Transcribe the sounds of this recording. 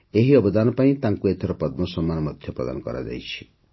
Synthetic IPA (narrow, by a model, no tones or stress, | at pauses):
eɦiʌbɔd̪anɔpaĩt̪ãŋkuet̪ʰeɾɔpʌd̪̚mɔsɔmːanmʌd̪ʱjɔpɾʌ̰d̪a̰nkʌ̰ɾa̰d͡ʒa̰jt͡ʃʰi̥